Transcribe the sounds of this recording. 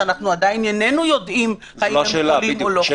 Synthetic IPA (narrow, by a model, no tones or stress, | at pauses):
anaχnuad̪ajinjanenujo̞d̪ʔim | ajielimolo